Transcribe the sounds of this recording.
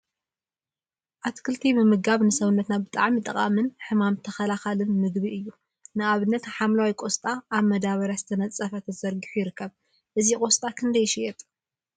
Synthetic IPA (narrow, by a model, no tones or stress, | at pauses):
ʔat̪kʰɨlt̪ʰibɨmɨɡaβnɨsɐβɨnːɐt̪nabɨt̪ʼaʕmit̪ʼɐqʼa̰mɨnħɨmamt̪ʰɐxɐlaxalɨnmɨɡbiɨjːu | nɨaβɨnːɐt̪ħamlawikʷʼo̞st̪ʼaːβmɐd̪aβɐɾjazɨt̪ʰɐnɐt͡sʼːɐfɐt̪ʰɐzɐɾɡiħujɪɾɨkːɐβ | ʔɨzikʼo̞st̪ʼakʰɨnd̪ɐjɪʃijɛt̪ʼ